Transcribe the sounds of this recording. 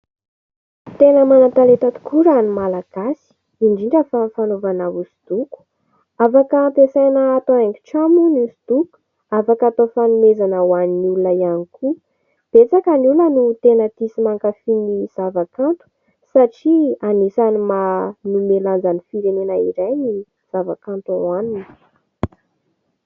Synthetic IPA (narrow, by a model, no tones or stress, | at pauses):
t̪enəmanat̪alet̪at̪u̥kʰuɾanimalaɡ̥asi̥ | iɳɖ͡ʐiɳɖ͡ʐəfafanovanavusi̥d̪̥uku̥ | afakəmpesanəːt̪oeŋki̥ʈ͡ʂamunusid̪̥uku̥ | afakat̪ofanumezanəwaninulunaianikʰu | b̥et͡sakənulənut̪enət̪isimaŋkafiniz̥avakant̪u̥ | saʈ͡ʂianisanimanumeland͡zanifiɾenenaiɾajni | z̥avakant̪aanini̥